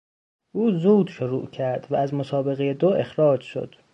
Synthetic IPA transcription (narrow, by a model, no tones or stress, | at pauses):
ʔuːzuːd̪ʃoɾuːʔcʰæɾd̪̥vææzmosɒːbe̞ɣejed̪oʔe̞xɾɒːd͡ʒʃo̰d̪̥